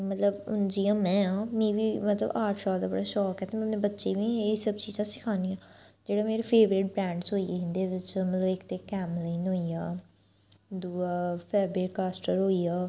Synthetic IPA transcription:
mət̪ləbʊ̰nd͡ʒijãːmɛ̃ːãːmĩːʋiːmət̪lə̰baːʈsaːld̪aːbəɽaːʃɔːkɦɛːt̪ʰeːmɛ̃ːpnẽːbətːʃeːʋĩːesəbt͡ʃiːzãːsɪ̥kʰaːnijãːd͡ʒeːɽaːmeːɾeːpʰeːʋɾɪʈ̚bɾɛ̃ːɳɖsɦoːieːɦɪ̃nd̪eːʋɪt͡ʃmət̪ləbɪkt̪eːkɛːmlaːnɦoːijaː | d̪uːaːpʰɛːbɾɪːʈkaːsʈəɾɦoːiːaː

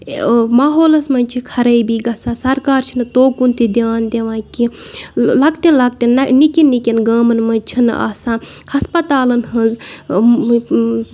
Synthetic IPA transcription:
maːɦoːlɐsmɐnʲt͡ʃʰikʰɐɾɐjbiɡɐsasɐɾkaːɾt͡ʃʰinɨt̪oːkunt̪id̪ʲjaːnd̪ʲeʋãːki | lɐkʈinlɐk̚ʈinɐnikinːikʲinɡɐːmɐnmɐnt͡ʃʰinɨ̰ʔa̰ːsãːnhɐspɐt̪aːlɐnhɐnz

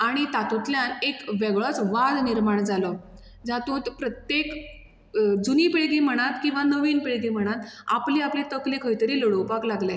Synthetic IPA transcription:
aɽ̃it̪at̪ut̪ljanekʋeɡɭɔt͡sʋad͡z̪niɾmaɳd͡zalɔ | d͡zat̪ũt̪pɾət̪jek | d͡zunipeɭɡim̤əɽ̃at̪kĩw̃ʋanəʋinpeɭɡim̤əɽ̃at̪a̰pliːaplit̪əklekʰəjt̪əɾiːləɽowpaklaɡla

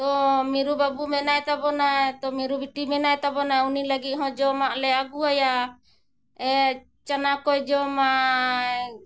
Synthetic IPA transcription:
t̪ɔmiɾubabumɛnajt̪abɔnaɛt̪ɔmiɾubiʈimɛnajt̪abɔnaɛuniləɡit̪̚ɦɔ̃d͡ʒɔmaʔlɛaɡuaja | ɛ | t͡ʃanakɔjd͡ʒɔmaʔ

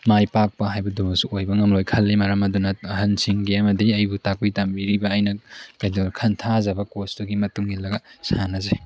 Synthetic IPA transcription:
majpak̚pɐɦajbɐdumɐsuojbɐŋɐmlojkʰɐlːimɐɾɐmɐdunɐɐɦɐnsiŋɡiɐmɐdiɐjbutakujtamiɾibɐːjnɐkɐjdoɾkʰɐntʰazɐbɐkostuɡimɐtuŋɡilːɐɡɐsanɐze

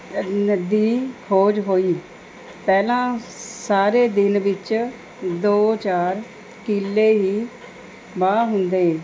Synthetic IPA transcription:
nəd̪iːhoːd͡ʒɦoːiː | pɛːlãːsaːɾeːd̪ɪnʋɪt͡ʃ | d̪oːt͡ʃaːɾ | kɪlːeːɦiː | baːɦʊnd̪eː

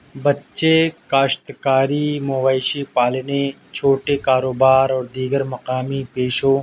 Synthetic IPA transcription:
bətːʃekaːʃt̪kaːɾiːmoʋaːɪʃiːpaːlne | t͡ʃʰoːʈekaːɾoːbaːɾɔːɾd̪iːɡəɾmɐqaːmipeːʃõː

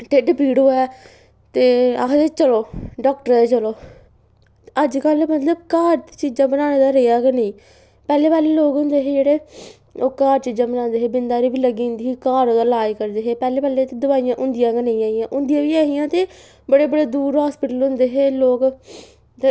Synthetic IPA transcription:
ʈeːɖəpiːɽɦoːɛː | t̪eːa̰ːɦt̪eːt͡ʃəloːɖɔːk̚ʈəɾeːt͡ʃəloː | əd͡ʒkəlmət̪ləbkaːɾt͡ʃiːd͡ʒãːbənaːneːd̪aːɾejaːɡənəĩː | pɛːleːpaːleːloːkʊ̃nd̪eːɦeːd͡ʒeːɽeː | oːkaːɾt͡ʃiːd͡ʒãːbənãːnd̪eːɦeːbɪnd̪aːɾiːbiːləɡiːʊ̃nd̪iːiːkaːɾõːd̪aːlaːiːkəɾd̪eːɦeːpɛːleːpaːleːt̪eːd̪ʊbaːijãːʔʊ̃nd̪ɪjãːɡənə̃ĩaːijãːʔʊ̃nd̪ɪjãːʋiːaːɦijãːt̪eː | bəɽeːbəɽeːd̪uːɾɦaːspɪʈəlɦʊ̃nd̪eːɦeːloːk | t̪e

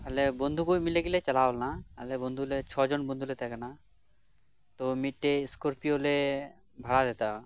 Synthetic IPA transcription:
alebond̪ʱukojmileɡilet͡ɕalalnaa̰lebond̪ʱulet͡ʃʰɔd͡ʒonbond̪ʱulet̪ɛkɛna | t̪omiʈːeskoɾpiole | bʱaɽad̪ɛt̪a

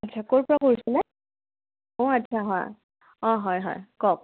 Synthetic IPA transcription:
atːt͡ʃʰakoɹpɔɹakoɹisɛnɛ | õatːt͡ʃʰaɦɔj | ɔ̃ɦɔjɦɔ̰jkɔk̚

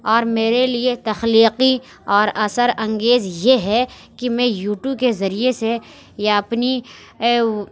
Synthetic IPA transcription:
ɔːɾmeːɾeliet̪ɐxliːqi | ɔːɾɐsəɾɐ̃ŋɡeːzjeɦɛ | kimɛ̃juːʈjukezɐɾijese | jaɐpni

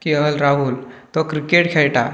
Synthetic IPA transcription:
kiəɦəlɾaɦult̪ɔkɾikeʈkʰeɭʈa

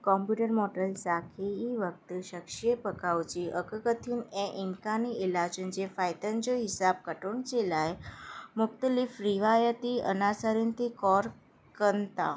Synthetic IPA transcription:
kɔmpjuʈəɾmɔʈəlsakʰiiʋək̚t̪ʃəkʃijepəkaʋt͡ʃiʔəkəkət̪ʰjuneʔɪ̃ŋkaniɪlad͡ʒənd͡ʒefajt̪ənd͡ʒoɦisab̚kəʈuɳt͡ʃelajmʊk̚t̪əlifɾiʋajət̪iə̰nasaɾint̪ʰikɔɾ | kənt̪a̰

